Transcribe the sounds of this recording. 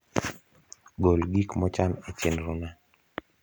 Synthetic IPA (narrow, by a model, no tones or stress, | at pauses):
ɡolɡikmɔt͡ʃanet͡ʃenɾuna